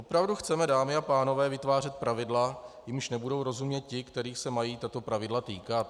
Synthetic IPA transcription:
ʔopɾavduxt͡sɛmɛdaːmɪapaːno̞vɛːvɪt̪vaːr̝ɛt̪̚pɾavɪdlajɪmʃnɛbudo̞wɾo̞zumɲɛt̪̚cɪkt̪ɛɾiːxsɛmajiːt̪at̪o̞pɾavɪdlat̪iːkat̪̚

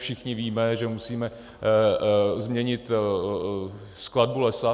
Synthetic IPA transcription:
ʃɪxɲɪviːmɛʒɛmusiːmɛ | zmɲɛɲɪt̪ | skladbulɛsa

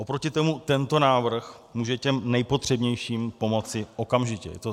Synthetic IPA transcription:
ʔo̞pɾo̞cɪt̪omut̪ɛnt̪o̞naːvr̩x | muːʒɛcɛmnɛjpo̞t̪r̝̥ɛbɲɛjʃiːmpo̞mo̞t͡sɪʔo̞kamʒɪcɛ̰jɛ̰t̪o

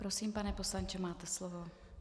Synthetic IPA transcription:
pɾo̞siːmpanɛpo̞slaɲt͡ʃɛmaːt̪ɛslovo̞

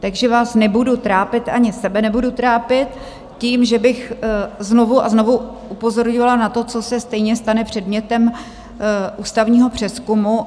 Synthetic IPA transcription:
t̪aɡʒɛvaːsnɛbudut̪ɾaːpɪt̪ʔaɲɪsɛbɛnɛbudut̪ɾaːpɪt̪ | ciːmʒɛbɪxzno̞vuʔazno̞vu | ʔupo̞zo̞ɾɲovalanat̪o̞t͡so̞sɛst̪ɛjɲɛst̪anɛpr̥ɛdmɲɛt̪ɛm | ʔuːst̪avɲiːɦo̞pr̝̥ɛskumu

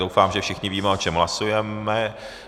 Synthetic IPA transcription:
dowfaːmʒɛfʃɪxɲɪviːmɛot͡ʃɛmɦlasujɛmɛ

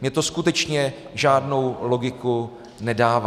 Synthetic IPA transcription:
mɲɛt̪o̞skut̪ɛt͡ʃɲɛ | ʒaːdno̞wlo̞ɡɪku | nɛdaːva

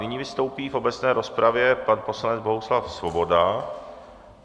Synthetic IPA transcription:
nɪɲiːvɪst̪o̞wpiːfo̞bɛt͡snɛːɾo̞spɾavjɛpanpo̞slanɛd͡zbo̞ɦuslafsvo̞bo̞da

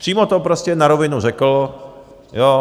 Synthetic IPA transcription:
r̥iːmot̪opɾoscɛnaɾovɪnurɛkl̩ | joː

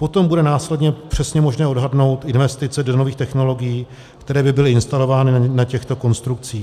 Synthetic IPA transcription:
po̞t̪o̞mbudɛnaːslɛdɲɛpr̝̥ɛsɲɛmo̞ʒnɛːodɦadno̞wt̪ʔɪnvɛst̪ɪt͡sɛdo̞no̞viːxt̪ɛxno̞lo̞ɡɪjiː | kt̪ɛɾɛːbɪbɪlɪɪnst̪alo̞vaːnɪnacɛxt̪o̞ko̞nst̪ɾuk̚t͡siː

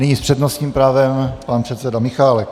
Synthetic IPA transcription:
nɪɲispr̥ɛdnost̪ɲiːmpɾaːvɛmpanpr̥ɛt̪sɛdamɪxaːlɛk

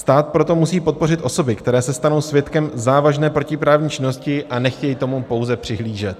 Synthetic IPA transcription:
st̪aːt̪̚pɾo̞t̪o̞musiːpo̞t̪̚po̞rɪt̪ʔo̞so̞bɪkt̪ɛɾɛːsɛst̪ano̞wsvjɛt̪kɛmzaːvaʒnɛːpɾo̞cɪpɾaːvɲiːt͡ʃɪno̞scɪʔanɛxcɛjit̪o̞mupo̞wzɛpr̥ɪɦliːʒɛt̪̚

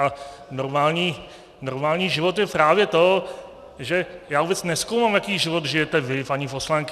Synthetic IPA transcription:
a | noɾmaːlɲiː | noɾmaːlɲiːʒɪvo̞t̪jɛpɾaːvjɛt̪o̞ | ʒɛjaːubɛt͡snɛskowmaːmjakiːʒɪvo̞t̪ʒɪjɛt̪ɛvɪpaɲɪpo̞slaŋk

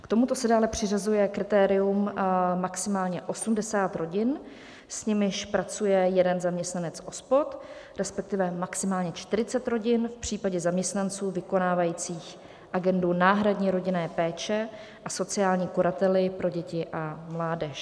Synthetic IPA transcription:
kt̪omut̪o̞sɛdaːlɛpr̝̥ɪrazujɛkɾɪt̪ɛːɾɪummaksɪmaːlɲɛʔo̞sumdɛsaːt̪ɾo̞ɟɪn | sɲɪmɪʃpɾat͡sujɛjɛdɛnzamɲɛst̪nanɛt͡sʔo̞spo̞t̪ | ɾɛspɛk̚t̪ɪvɛmaksɪmaːlɲɛt͡ʃt̪ɪɾɪt͡sɛt̪ɾo̞ɟɪnfpr̝̥iːpaɟɛzamɲɛst̪nant͡suːvɪko̞naːvajiːt͡siːx | ʔaɡɛndunaːɦɾadɲiːɾo̞ɟɪnɛːpɛːt͡ʃɛ | ʔaso̞t͡sɪaːlɲiːkoɾat̪ɛlɪpɾo̞ɟɛcɪʔamlaːdɛʃ

